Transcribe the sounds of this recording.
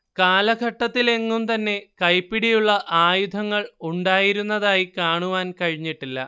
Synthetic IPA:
kaːlɐɡʱɐʈːɐt̪ːile̞ŋːumt̪ɐnːe̞kɐjpːiɽijuɭːɐʔaːjud̪ʱɐŋːɐɭuɳɖaːjiɾunːɐðaːjikaːɳuʋaːnkɐɻiɲːiʈːilːɐ̰

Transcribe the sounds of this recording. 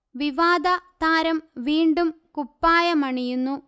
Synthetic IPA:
ʋiʋaːd̪ɐt̪aːɾɐmʋiːɳɖum | kupːaːjɐmɐɳijunːu

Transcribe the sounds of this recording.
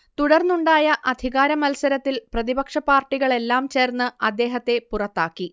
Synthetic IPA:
t̪uɽɐrnuɳɖaːjɐʔɐd̪ʱiɣaːɾɐmɐlsɐɾɐt̪ːilprɐðibɐkʂɐpaːrʈːiɣɐɭe̞lːaːmt͡ɕe̞ːrnːɨɐd̪ːe̞ːɦɐt̪ːe̞purɐt̪ːaːkːi

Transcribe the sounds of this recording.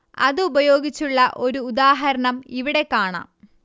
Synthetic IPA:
ɐ̰ðɨubɐjo̞ːɡit͡ɕːuɭːɐʔo̞ɾuːd̪aːɦɐɾɐɳɐmiʋiɽe̞kːaːɳa̰ːm

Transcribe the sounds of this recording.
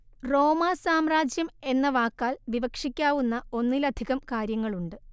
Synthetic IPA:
ro̞ːmaːsaːmraːd͡ʑjɐme̞nːɐʋaːkːaːlʋiʋɐkʂikʲːaːʋunːɐo̞nːilɐd̪ʱiɣɐmkaːɾjɐŋːɐɭuɳɖɨ

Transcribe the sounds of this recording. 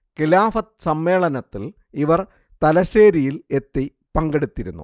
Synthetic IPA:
kilaːfɐt̪sɐmːe̞ːɭɐnɐt̪ːil | iʋɐr | t̪ɐlɐɕeːɾijile̞t̪ːi | pɐŋɡeɽut̪ːiɾṵnːṵ

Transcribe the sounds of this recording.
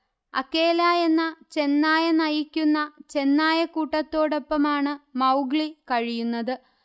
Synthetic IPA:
ɐ̰kːe̞ːlaːje̞nːɐt͡ɕe̞nːaːjɐnɐjikʲːunːɐt͡ɕe̞nːaːjɐkuːʈːɐt̪ːo̞ːɽo̞pːɐmaːɳɨmɐwɡɭikɐɻijunːɐðɨ

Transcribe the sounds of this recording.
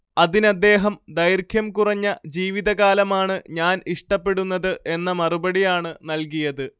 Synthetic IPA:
ɐðinɐd̪ːe̞ːɦɐmd̪ɐjrkʰjɐmkurɐɲːɐd͡ʑiːʋiðɐɣaːlɐmaːɳɨɲaːniʂʈɐpːe̞ɽunːɐðɨʔe̞nːɐmɐrubɐɽijaːɳɨnɐlk̬ijɐðɨ

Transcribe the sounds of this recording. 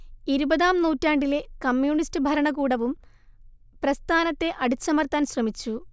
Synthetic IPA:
iɾubɐðaːmnuːtːaːɳɖile̞kɐmjuːɳistɨbʱɐɾɐɳɐɣuːɽɐʋum | prɐst̪ʰaːnɐt̪ːe̞ʔɐɽit͡ɕːɐmɐrt̪aːnɕrɐmit͡ɕːu

